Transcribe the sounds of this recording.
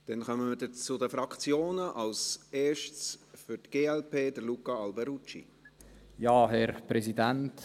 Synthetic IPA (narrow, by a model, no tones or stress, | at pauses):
d̥ɛnχœməmədət͡sʊdəfɾɑkt͡sjoːnəʔɑlseːʃtsfʏɾtɡ̥eːɛlpeːd̪əlukɑɑlbɛɾut͡ʃḭ | jɑːɦɛɾpɾɛsidænt